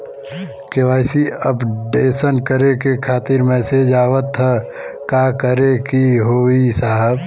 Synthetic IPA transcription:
keʋaːɪsiəpɖeːsənkəɾekekʰaːt̪iɾmɛːsed͡ʒaːwət̪ɦə | kaːkəɾekiɦoːisaːɦəb

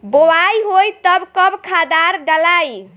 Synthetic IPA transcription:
bowajɦojt̪əbkəbkʰad̪aɾɖəlaj

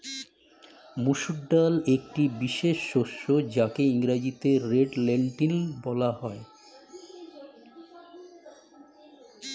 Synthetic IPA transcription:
muʃuɖːalek̚ʈibiʃeʃːoʃːod͡ʑakeiŋɾad͡ʑit̪eɾeɖleɳʈilbɔlaɦɔe

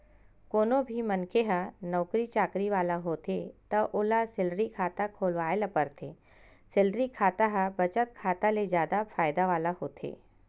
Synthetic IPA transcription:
koːnobʱimənkeɦənɔːkɾit͡ʃaːkɾiʋaːlaɦoːt̪et̪əʔolasɪlɾikʰaːt̪akʰoːlʋaːjlapəɾt̪ʰe | sɪlɾikʰaːt̪aɦəbət͡ʃət̪̚kʰaːt̪aled͡ʒjaːd̪afaːjd̪aʋaːlahoːt̪ʰḛː

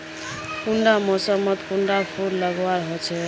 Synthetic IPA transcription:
kuɳɖamɔsʌmʌt̪kuɳɖapʰuɾlʌɡwaɾɦot͡ʃʰɛ

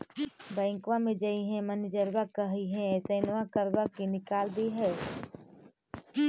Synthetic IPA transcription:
bɛ̃ːŋkʋãmẽd͡ʒaiɦɛ̃mənd͡ʒəɾbakəɦiɦɛ̃ɛːsenakəɾbakinɪkaːld̪iɦɛː

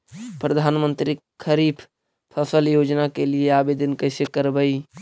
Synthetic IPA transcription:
pɾəd̪ʱanmənt̪ɾikʰəɾipʰ | pʰəsəljod͡ʒnakelieabed̪ənkəɪsekəɾbəj

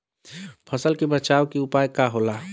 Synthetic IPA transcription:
pʰɐsəlkebət͡ʃaːwkiʊpaːjkaɦolaː

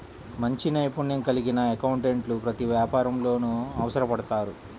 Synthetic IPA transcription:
mɐɲt͡ʃinɐjpunjɐŋkɐliɡinɐekɐwuɳʈeɳʈlupɾɐt̪iʋjaːpaːɾɐmlo̞ːnuɐʋɐsɐɾɐpɐɽɐt̪aːɾu

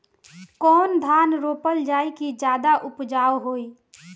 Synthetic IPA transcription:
kɔːnd̪ʱaːnɾoːpəld͡ʒaːikid͡ʒjaːd̪aʔʊpd͡ʒaːwɦoːi

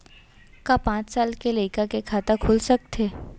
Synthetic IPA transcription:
kapãt͡ssalkeləjkakekʰat̪akʰolsək̚t̪ʰe

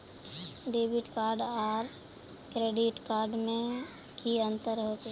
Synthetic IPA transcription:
ɖeːbɪʈkaːɾɖɔːɾ | kɾeːɖɪʈkaːɾɖmẽ | kiə̃nt̪əɾɦoːt̪e

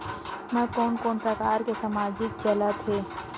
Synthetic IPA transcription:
nãkoːnkɔːnpɾəkaːɾkesɐmaːd͡ʒɪk̚t͡ʃəlat̪ɦeː

